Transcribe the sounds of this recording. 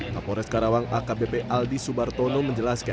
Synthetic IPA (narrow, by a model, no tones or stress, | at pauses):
pa̰pɔɾɛskaɾawaŋakabepɛʔaldisubart̪ɔnɔməɲd͡ʒəlaskan